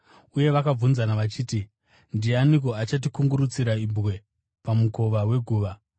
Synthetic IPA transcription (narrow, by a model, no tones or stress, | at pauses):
uje̞ʋakab͡vunzanaʋat͡ʃiːti | ndianiko̞at͡ʃat̬ikuŋɡuɾut͡siɾaibwe̞ | pamuko̞ʋawe̞ɡʱuːʋa